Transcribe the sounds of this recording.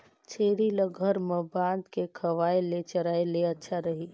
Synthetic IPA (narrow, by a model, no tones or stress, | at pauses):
t͡ʃʰeːɽiləɡʱəɾməbãːnd̪kekʰəʋaːelet͡ʃəɾaːeleɐtːʃʰaɾəɦi